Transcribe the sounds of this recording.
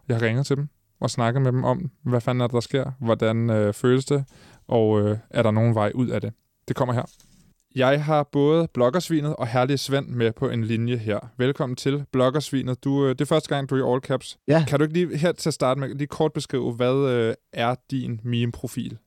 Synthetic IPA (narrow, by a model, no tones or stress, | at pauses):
jɑ̈ɪhɑʁeŋð̞̩ˠt͡sʰe̝d̥em | ʔɒ̽snɑ̈ɡ̥əð̩ˠmed̥emʔɒ̽mʋæfænæɐd̥d̥ɑ̈sɡ̥e̝ɐ̰ʋɒd̥ænøføːləsd̥e̝ | ʔɒ̽øʔæɐɾɑ̈no̝ːn̩ʋɑ̈ɪʔuð̞̰ˠæd̥e̝ | d̥e̝kʰɒ̽m̰ɐɦeɐ̰ | jɑ̈ɪɦɑ̈b̥ɔ̽ːð̞̩ˠb̥lɒ̽ɡ̥ɐsʋḭːnð̩ˠɒ̽ɦæɐlisʋen̰mepʰɒ̽ʔe̝nlinjəɦeɐ̰ʋelkʰɒ̽mn̩t͡sʰe̝lb̥lɒ̽ɡ̥ɐsʋḭːnð̞̩ˠd̥ud̥e̝fɶɐsd̥əɡ̥ɑ̈ŋ̰d̥uiɒːlkʰæb̥skʰæɾ̥ue̝ɡ̥əliːɦeɐ̰t͡sʰeɐsd̥ɑ̈ːd̥əmeliːkʰɒːd̥̚b̥e̝sɡ̥ʁḭːʊʋæð̞ˠøʔæɐd̥inmimpʰʁo̝fḭːl